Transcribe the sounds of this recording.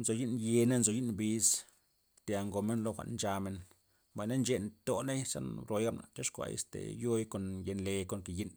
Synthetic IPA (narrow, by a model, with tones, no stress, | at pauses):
nzo˨ji˦nje˧ne˦nzo˨ji˦nbi˧s | t̪ja˨ŋɡo˨me˦nlo˦xʷa̰˨nnt͡ʃa˧me˧n | mba˨jna˦nt͡ʃe˦˧nt̪o˨ne˦jsa̰˦nɾo˨˧jɡa˦bna̰˨t͡ʃa˦ʂkʷa̰˧jḛ˨st̪ḛ˨jo˦jko˨nje˧nle˧ko˧ŋke˨ji˦n